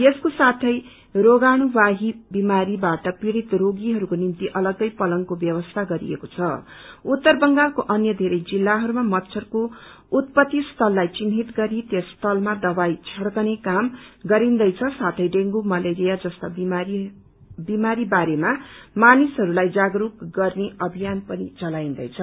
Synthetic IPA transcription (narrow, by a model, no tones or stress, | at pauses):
jeskosat̪ʰʌj | roɡaɽ̃ubaɦibimaɾibaʈʌpiɾit̪roɡiɦʌɾukonint̪iʔʌlʌɡʌjpʌlʌŋkobjʌbʌst̪ʰaɡʌɾḭḛkot͡sʰʌut̪ːʌrbʌŋɡalkoʔʌnjʌd̪ʱeɾʌjd͡zilːaɦʌɾumamʌtːsʰʌrko | ut̪̚pʌt̪ːist̪ʰʌlːajt͡sinɦit̪ɡʌɾit̪jʌst̪ʰʌlmad̪ʌbajt͡sʰʌɽkʌnekamɡʌɾind̪ʌjt͡sʰʌsat̪ʰʌjɖeŋɡumʌleɾijad͡zʌst̪ʌb | bimaɾibaɾemamanisɦʌɾulajd͡zaɡrukɡʌrneʌbʱijanpʌnit͡sʌlaĩnd̪ʌjt͡sʰʌ